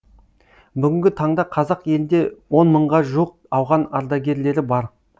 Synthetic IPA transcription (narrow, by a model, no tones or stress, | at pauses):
bʏɡʲɪŋʲɡʲɪt̪ʰɑɴd̪ɑqʰɑzɑqje̞lɪnd̪e̞wo̞nməɴʁɑʒuəq̚ɑwʁɑnɑɾd̪ɑɡʲe̞ɾle̞ɾɪbɑɾ